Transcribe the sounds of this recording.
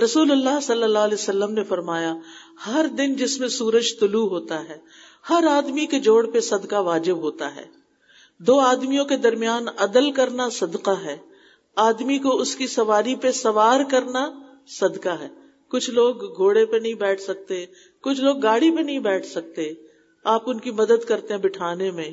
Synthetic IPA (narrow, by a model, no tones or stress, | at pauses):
ɾɐsuːlʊlːaɦsɐlːəlːalɛosɐlːəmnefɐɾmaːja | hɐɾd̪ɪnd͡ʒɪsmẽsuːɾəd͡ʒt̪ʊluɦoːt̪aɦɛː | hɐɾaːd̪miked͡ʒoːɽpesɐd̪kaʋaːd͡ʒɪbɦoːt̪a̰ɦɛ̰ː | d̪oːaːd̪mijõked̪ɐɾmijaːnɐd̪əlkɐɾnasɐd̪qaɦɛː | aːd̪mikoʊskisɐʋaːɾipesɐʋaːɾkɐɾna | sɐd̪kaɦɛː | kʊt͡ʃʰloːɡːʱoːɽepenɐɦĩbɛːʈʰsɐk̚t̪e | kʊt͡ʃʰloːɡːaːɽipenɐɦĩbɛːʈʰsɐk̚t̪e | aːpʊnkimɐd̪əd̪kɐɾt̪eɦɛ̃bɪʈʰaːnemẽ